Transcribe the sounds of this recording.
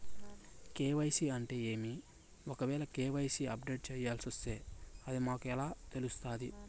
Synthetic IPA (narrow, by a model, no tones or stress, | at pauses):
keːʋɐjsiɐɳʈeːeːmi | ɔkɐʋɛːɭɐkeːʋɐjsiɐ̰p̚ɖe̞ːʈ̚t͡ʃɛːjaːlsiɐst̪e̞ːɐd̪imaːkuɛlaːt̪e̞lust̪aːd̪i